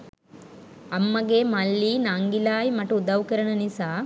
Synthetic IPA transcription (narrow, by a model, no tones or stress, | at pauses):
ɐmːɐɡeːmɐlːinaːŋɡilaːjmɐʈːud̪ɐʋkɐɾɐɳɐnisa